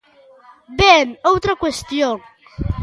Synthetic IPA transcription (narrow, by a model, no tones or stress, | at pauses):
benowt̪ɾakwest̪joŋ